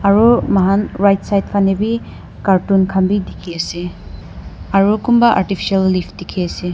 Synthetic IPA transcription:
ɐɾumaɦanɾajt̚sajt̚pʰanebi | kaɾtunkʰambidikʰeɐsi | ɐɾukumbaʔaɾtipʰi̥salːipʰdikʰeɐsi

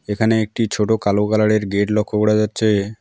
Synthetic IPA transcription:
ekʰaneek̚ʈit͡ɕʰoʈokalokalaɽeɾɡeʈlɔkʰːokoɽad͡ʑatːɕʰe

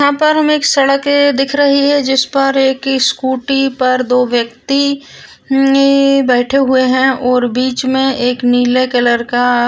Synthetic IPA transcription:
ɦãpɐɾɦɐmeːksɐɽəked̪ɪkʰɾɐɦiɦɛ̃d͡ʒɪspɐɾeːkskuːʈipɐɾd̪oːʋjəkt̪i | bɛːʈʰeɦʊeɦɛ̃ʔɔːɾbiːt͡ʃmẽeːkniːlekɛləɾka

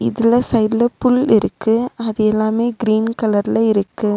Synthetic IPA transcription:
ɪ̰ðɪlɐsɐɪɖlɐpːʊlɪɾɯkːɯɐðɐjɛlːaːmeːɡɪɾiːnkɐlɐɾlɐɪɾɯkːɯ

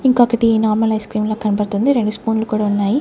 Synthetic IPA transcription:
iŋkokːɐʈiiːnaːɾmɐlɐjskɾiːmloːkɐnipɐɽt̪und̪iɾe̞ɳɖuspuːnlɐkuːɽaːunːaːji

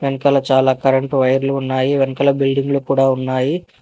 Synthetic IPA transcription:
ʋenikɐlɐt͡ʃaːlaːkɐɾɐɳʈʋɐjɐɾluːnːaːjiʋenikɐlɐbilɖiŋɡlukuːɽaːunːaːji

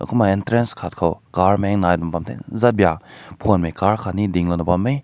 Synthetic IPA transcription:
ɐ̰kʰumaintɾenskʰat̚kʰawkaɾmɛŋnajdumpamtʰḛzat̚bijapʰonmejkaɾkʰanidiŋlonɐpamːej

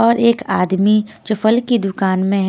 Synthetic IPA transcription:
ɔːɾeːkaːd̪mid͡ʒoːfɐlkid̪ʊkaːnmẽɦ

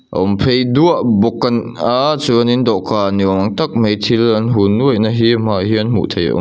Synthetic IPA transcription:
ʔɔmpʰejduəʔbɔkːɐn | at͡suənindɔʔkanimɐŋt̪ɐk̚mejt̪ʰilanɦunuəjnaɦimaɦiənmṵʔt̪ʰejɔ̰

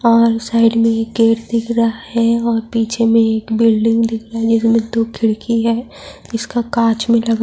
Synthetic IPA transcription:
ɔːɾsaːɪɖmẽeːkːeːʈd̪ɪkʰɾɐɦaɦɛɔːɾpiːt͡ʃʰemẽeːkbɪlɖɪ̃ŋɡd̪ɪkʰɾɐaɦɛd͡ʒɪsmẽd̪oːkʰɪɽkʰiɦɛː | ɪskakaːt͡ʃmẽlɐɡa

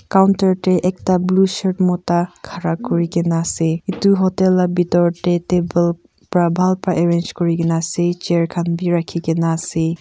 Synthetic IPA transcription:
kawntaɹteʔɛk̚tablusɔɹtmɔtakʰaɾakɔɹiɡenaseituɦɔtelabitɔɹtetebel | pɾabʱalpɹaʔeɹend͡ʒkɔɹikenaset͡ʃeɹkʰanbiɾakʰiɡenase

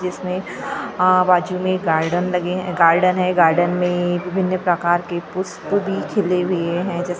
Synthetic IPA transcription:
d͡ʒɪsmẽ | baːd͡ʒumẽɡaːɾɖənlɐɡeɦɡaːɾɖənɦɛ̃ɡaːɾɖənmẽʋɪbʱɪnːjəpɾɐkaːɾkepʊst̪bʱikʰɪleɦʊeɦɛ̃d͡ʒɛːs

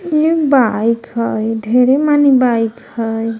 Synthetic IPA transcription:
nibajkhɔjdʱeɾemanibajkhəj

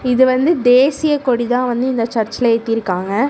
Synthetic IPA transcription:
ɪðɯʋɐnd̪ɯd̪eːsɪjɐkɔɽit̪ãːʋɐnd̪ɯɪnd̪ɐt͡ʃɐɾt͡ʃɪleːt̪ːɪjɪɾɯkːaːŋɡɐ

